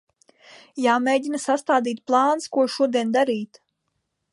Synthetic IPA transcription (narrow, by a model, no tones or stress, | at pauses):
jaːmʲeːd̪ʲinasast̪aːd̪iːt̪̚plˠɑːnskuɔʃuɔd̪iɛnd̪aɾiːt̪